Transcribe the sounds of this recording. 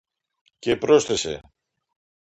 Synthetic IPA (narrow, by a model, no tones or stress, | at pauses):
cepɾo̞sθese̞̰